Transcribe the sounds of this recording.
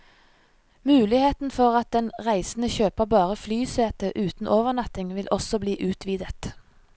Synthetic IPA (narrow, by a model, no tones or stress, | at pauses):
mʉːlɪheːt̪n̩fɔʁɑt̪̚d̪ɛnʁæɪsn̩əçøːpəʁbɑːʁəflyːseːt̪əʔʉːt̪n̩ʔoːʋəʁnɑt̪ɪŋʋɪlʔɔsɔbliːʔʉːt̪ʰʋiːd̪ət̪